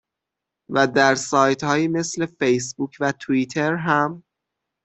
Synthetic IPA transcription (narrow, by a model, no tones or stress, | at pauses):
væd̪æɾsɒːjt̪hɒːjime̞sle̞fejs̬buːcʰvæt̪ʰuit̪ʰe̞ɾɦæm